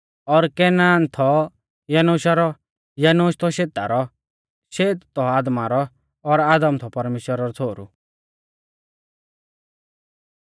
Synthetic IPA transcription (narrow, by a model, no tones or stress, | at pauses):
ɔɾkɛnaːnt̪ʰɔ | jɐnoːʃaɾɔ | jɐnoːʃt̪ʰɔʃeːt̪a̰ɾɔ | ʃeːt̪ːɔaːd̪maɾɔː | ɾaːd̪əmt̪ʰɔpɐɾmeːʃwəɾaɾɔt͡sʰoːɾṵ